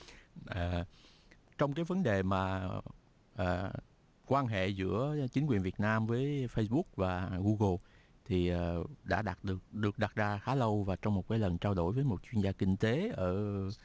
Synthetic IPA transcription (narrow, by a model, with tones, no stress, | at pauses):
ʔəː˨˩ | t͡ɕɔ˧wŋ͡mkaː˨˦jvə˨˦nɗe˨˩maː˨˩ | ʔəː˨˩ | kwaː˧nɦḛ˧˨zɨ̰˧˥ət͡ɕï˨˦ŋ̟kwi˨˩ənvi˨˩ət̚naː˧mvəː˨˦jfə˧sɓʊ˦˥k̚vaː˨˩ɣu˧ɣə˧ | t̪ʰi˨˩ʔəː˨˩ɗa̰ː˧˥ɗaː˨˩t̚ɗɨ˨˩ək̚ɗɨ˨˩ək̚ɗa˨˩t̚zaː˧xaː˨˦lə˧wvaː˨˩t͡ɕɔ˧wŋ͡mmo˨˩t̚kaː˨˦jlə˨˩nt͡ɕaː˧wɗo̰˧˩jvəː˨˦jmo˨˩t̚t͡ɕwi˧ənzaː˧kï˧ŋ̟t̪e˨˦ʔəː˧˩